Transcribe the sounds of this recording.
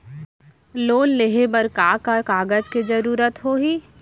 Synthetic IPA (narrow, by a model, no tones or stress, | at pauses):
loːnleɦebəɾkaːkakaːɡəd͡ʒkezɐɾuːɾət̪ɦoːɦiː